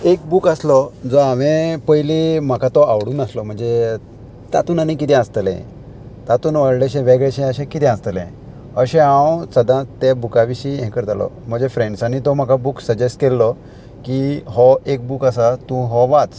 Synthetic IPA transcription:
ek̚bukəslɔd͡zɔaʋẽpəjlim̤akat̪ɔawɽuːnəslɔm̤əɳd͡ze | t̪at̪uːnañikit̪ʰɛ̃əst̪əlɛ̰̃ | t̪at̪uːnʋəɽɭeɕɛ̃ʋeɡɭeɕɛ̃əɕɛ̃kit̪ʰɛ̃əst̪əlɛ̰̃ | əɕɛ̃ãwsəd̪ãt̪ɛbukaʋiɕiɦɛ̃kəɾt̪alɔ̰ | m̤əɳd͡zefɾẽɳɖsañit̪ɔm̤akabuksəd͡ʑesʈkɛlːɔ | kiɦɔek̚bukəsat̪ũɦɔʋat͡s

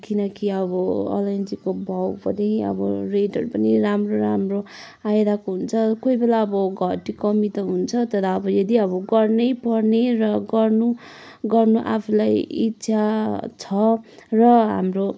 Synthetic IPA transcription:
kinʌkiʌbʌɔ̰lʌnd͡zikobʱʌwpʌd̪eʌ̰bʌreʈʌɾupʌniramroɾamro | ajd̪akoɦunt͡sʰʌkoibelaʌbʌɡʱʌʈːikʌmit̪ʌɦunt͡sʰʌt̪ʌd̪aːbʌjʌd̪iʌbʌɡʌrnʌjpʌrnerʌɡʌrnu | ɡʌrnuʔa̰pʰulajitːsʰat͡sʰʌrʌɦa̰mro

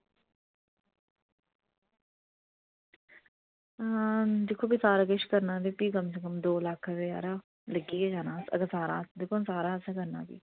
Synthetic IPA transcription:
d̪ekʰːoːbiːsaːɾaɡəʃkəɾnaːdipiːkəmsekəmd̪oːlakʰʋea̰ːɾa | ləɡiːeːd͡ʒaːnãːsəɡəɾsaːɾã̰ːd̪ekʰːosaːɾaːseːkəɾna̰ːbḭː

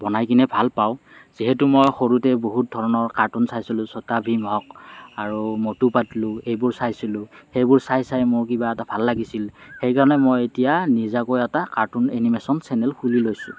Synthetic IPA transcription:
bɔnajkinɛbʱalpaʊ | z̥iɦɛtumojxoɹutɛboɦut̚dʱɔɹɔnɔɹkaɹtunsajsilʊ̃sɔtabʱimɦɔk̚aɹumotupatlʊ̃ejbʊɹsajsilʊ̃xejbʊɹsajsajmʊɹkibaɛtabʱalːaɡisilxejkaɹɔnɛmojetijanizakojɛtakaɹtunenimesɔnsɛnɛlxulilojsʊ̰

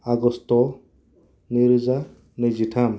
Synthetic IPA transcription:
aɡɔst̪ɔ | niɾza | nid͡ʒit̪ʰam

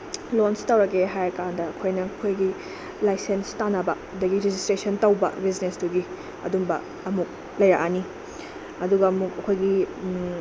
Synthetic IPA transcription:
lonstɐwɾɐkeɦajɐkandɐːkʰojnɐkʰojɡi | lajsenstanɐbɐ | dɐɡiɾid͡ʒistɾesɐntɐwbɐ̰biznesduɡi | ɐ̰dumbɐ̰ | ɐmuk̚ | lɐjɾɐkʔani | ɐduɡɐɐmukɐkʰojɡi

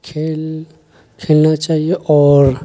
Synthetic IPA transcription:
kʰel | kʰelnat͡ʃaːɦijeʔɔːɾ

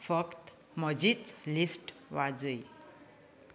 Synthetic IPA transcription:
fʌkt̪ | məd͡ʑit͡slisʈʋad͡zəj

